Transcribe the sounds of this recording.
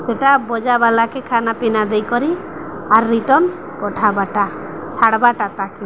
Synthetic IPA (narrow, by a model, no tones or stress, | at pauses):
seʈabɔd͡ʒabalakekʰanapinad̪ejkɔɾi | aɾːiʈɔn | pɔʈʰabaʈat͡ʃʰaɽbaʈat̪aki